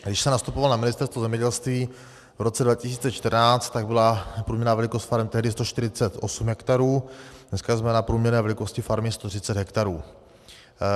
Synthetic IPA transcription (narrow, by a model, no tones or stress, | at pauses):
ɡdɪʃsɛmnast̪upovalnamɪnɪst̪ɛɾst̪vozɛmɲɛɟɛlst̪viː | vɾot͡sɛdvacɪsiːt͡sɛt͡ʃt̪ərɾnaːt͡st̪t̪ːaɡ̚bɪlapɾuːmɲɛɾnaːvɛlɪkost̪faɾɛmt̪ɛɦdɪst̪oʃt̪ɪɾɪt͡sɛt̪ʔosumɦɛkt̪aɾuːdnɛskazmɛnapɾuːmɲɛɾnɛːvɛlɪko̞scɪfaɾmɪst̪ot̪r̝̥ɪt͡sɛd̪ɦɛkt̪aɾuː